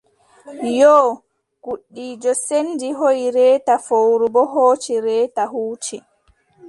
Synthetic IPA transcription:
jɔː | ɡ̥uɗːiːd͡ʒɔsendiɦojɾɛːtafowɾubɔɦoːt͡ʃiɾɛːtaɦuːt͡ʃi

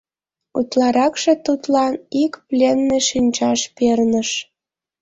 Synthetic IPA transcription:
ut̪lɑɾɑkʃet̪ut̪lɑnikplʲenːeʃinʲt͡ɕɑʃpernəʃ

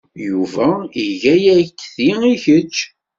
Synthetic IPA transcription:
juvæiʝæjækːθiiçət͡ʃː

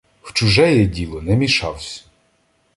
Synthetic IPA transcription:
w̥t͡ʃʊʒɛjɛdʲilˠɔnɛmʲiʃɑwsʲ

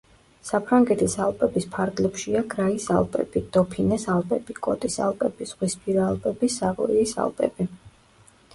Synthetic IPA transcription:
sapʰɾaŋɡɛt̪ʰisalˠpʼɛbispʰaɾɡlɛpʃiaɡɾaisa̰lˠpʼɛ̰b̥id̪̥ɔpʰinɛsalˠpʼɛbikʼɔt̪ʼisa̰lˠpʼɛb̥iz̥ʁwispʰiɾaːlˠpʼɛbisaʁɔ̰iːsa̰lˠpʼɛ̰bi

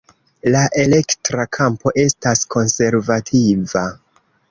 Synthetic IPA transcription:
laʔe̞le̞ktɾakʰampo̞ʔe̞staskʰo̞nse̞ɾvatʰiva

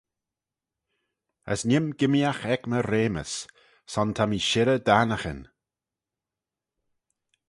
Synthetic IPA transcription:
ə̰snʲɪmɡɪmjaxɛkməɾeːmə̰s | sɔnt̪ʰamiʃɪɾəd̪anəxə̰n

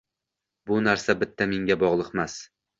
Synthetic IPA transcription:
bʊnaɾsabɪt̪ʰːameŋɡʲabɒʁlˠɨqmas

